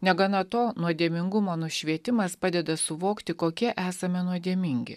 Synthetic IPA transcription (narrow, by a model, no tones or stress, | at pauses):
nʲɛɡɐnɐt̪oːnuɔd̪ʲiɛmʲɪŋɡʊmoːnʊʃʲʋʲiɛt̪ʲɪmɐspɑːd̪ʲɛd̪ɐsʊʋoːkt̪ʲɪkoːkʲiɛʔæːsɐmʲɛnuɔd̪ʲiɛmʲɪŋʲɡʲɪ̰